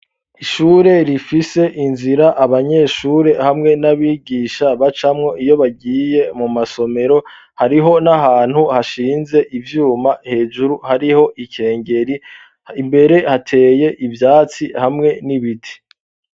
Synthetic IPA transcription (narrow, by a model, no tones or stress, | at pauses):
iʃuːɾe̞ɾifise̞ʔinziɾaʔaβaɲe̞ːʃuːɾe̞hamŋe̞naβiːɡiːʃaβat͡ʃamŋo̞ijo̞βaɡiːje̞mumaso̞me̞ɾo̞ | haɾiɦo̞naɦaːn̥huhaʃiːnze̞ʔivjuːmahe̞ːʒuɾuhaɾiho̞ʔikʰe̞ːŋɟe̞ɾi | imbe̞ɾe̞hatʰe̞ːje̞ʔivjaːt͡sihamŋe̞niβitʰi̥